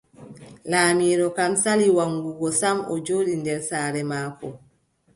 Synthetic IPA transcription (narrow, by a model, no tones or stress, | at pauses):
laːmiːɾɔkamsaliwaŋɡuɡɔsamɔ̰d͡ʒoːɗindɛɾsaːɾɛmaːkɔ